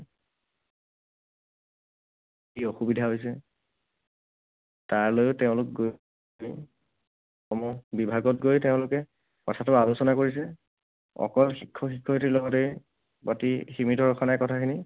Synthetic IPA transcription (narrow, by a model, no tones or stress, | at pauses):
ioxubidʱaɦojs̬ɛ | taɹlojʊtɛʊ̃lʊk̚ɡo | j | ɔmɔbibʱaɡɔt̚ɡojtɛʊ̃lʊkɛ | kɔ̰tʰatʊalʊsɔnakoɹis̬ɛ | ɔ̰kɔlxikʰːɔxikʰːɔtilɔɡɔtej | batiximitɔɹɔkʰanajkɔtʰakʰini